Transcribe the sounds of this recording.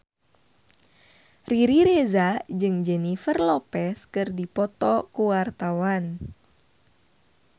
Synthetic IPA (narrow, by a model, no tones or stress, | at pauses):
riɾiɾezad͡ʒɨŋd͡ʒɛnifərlɔpɛskɨrdipɔt̪ɔkuwart̪awan